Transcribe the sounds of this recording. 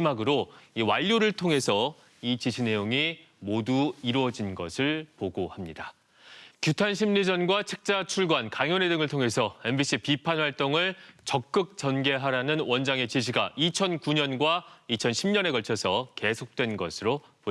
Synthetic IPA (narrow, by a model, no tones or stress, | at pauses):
maɡɯɾoiwaʎːoɾɯɭtʰoŋe̞sʰʌ | it͡ɕiɕʰine̞joŋi | moduiɾwʌd͡ʑinɡʌ̰sʰɯɭpoɡohamɲida | kjutʰanɕʰimɲid͡ʑʌnɡwat͡ɕʰek̚t͡ɕ͈at͡ɕʰuɭɡwankaŋjʌne̞dɯŋɯɭtʰoŋɦe̞sʰʌe̞nbiɕ͈ʰipipʰanwaɭt͈oŋɯɭt͡ɕʌk̚k͈ɯk̚t͡ɕ͈ʌnɡe̞ɦaɾanɯnwʌnd͡ʑaŋe̞t͡ɕiɕʰiɡait͡ɕʰʌnkuɲʌnɡwait͡ɕʰʌnɕʰimɲʌne̞kʌɭt͡ɕʰʌsʰʌke̞sʰok̚t͈we̞nɡʌsʰɯɾopo